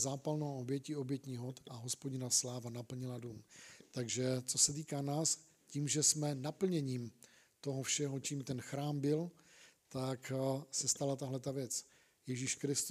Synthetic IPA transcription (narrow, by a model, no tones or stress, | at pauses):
zaːpalnowʔo̞bjɛcio̞bjɛt̪ɲiɦot̪ʔaɦo̞spoɟɪnaslaːvanapl̩ɲɪladuːmt̪aɡʒɛt͡so̞sɛt̪̬iːkanaːs | ciːmʒɛsmɛnapl̩ɲɛɲiːm | t̪o̞ɦofʃɛɦo̞t͡ʃiːmt̪ɛnxɾaːmbɪlt̪aksɛst̪alat̪aɦlɛt̪avjɛt͡s | jɛʒiʃkɾɪst̪u